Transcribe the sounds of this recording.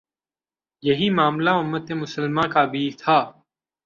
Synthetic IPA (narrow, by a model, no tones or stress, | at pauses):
jɐɦimaːmlaʊmːət̪eːmʊsəlmãːkabʱiːt̪ʰaː